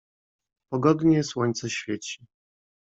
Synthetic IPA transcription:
pɔɡɔd̪ɲɛswɔɲʲt̪sɛɕfʲjet͡ɕi̥

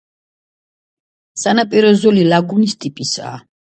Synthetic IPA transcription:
sanapʼiɾɔzɔlilaɡunist̪ʼipʼisa̰ː

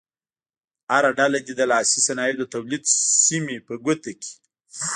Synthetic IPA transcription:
aɾaɖalad̪id̪əlɑsisanɑjed̪ət̪awlid̪simepəɡʊt̪aki̥

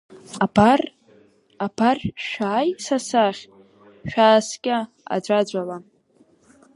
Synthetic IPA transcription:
abar | abʰarʲʃᶣaːjsasaχʲ | ʃᶣaːskʲʼa | a̰d͡ʒʷʼad͡ʒʷʼala

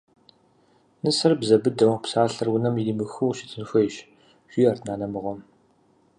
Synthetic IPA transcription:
nɨsɐrbzɐbɨdɐwpsaːɬɐrwʊnɐmiliːmɨxɨwʃɪ̥tʰɨnxʷɔjɕ | ʒ̥ʷiːartʰnaːnɐmɨʁʷɔm

